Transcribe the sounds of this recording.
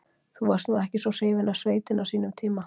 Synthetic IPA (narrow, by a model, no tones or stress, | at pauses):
θuvaɾ̥st̪nuːɛhcɪsɔr̥eːjvɪnasveːjt̪ɪnasiːnʏmt̪ʰiːma